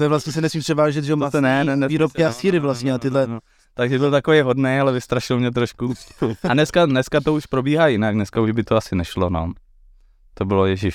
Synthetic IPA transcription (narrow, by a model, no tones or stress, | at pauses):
ɛvlast̪ɲɛsɛnɛsmiːpr̥ɛvaːʒɛt̪ʒɛosɛnɛnɛnɛviːɾopkɪasiːɾɪvlast̪ɲɛnat̪ɪdlɛ | t̪aɡʒɛbɪlt̪akovɛjɦodnɛjalɛvɪst̪ɾaʃɪlmɲɛt̪ɾoʃkuanɛskanɛskat̪ouʃpɾo̞biːɦaːjɪnaknɛskauʒbɪt̪oasɪnɛʃlono̰ | t̪obɪlojɛʒɪf